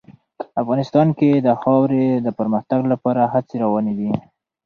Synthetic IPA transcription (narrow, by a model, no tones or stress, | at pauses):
afɣɑnɪst̪ɑnked̪əxɑwɾed̪əpəɾməxt̪aɡlapɑɾaɦat͡seɾawɑned̪i